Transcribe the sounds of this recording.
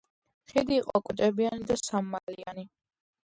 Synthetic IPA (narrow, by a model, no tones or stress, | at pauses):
χid̪iːqʼɔ̰akʼwd̪ʼɛbianid̪asamːaliani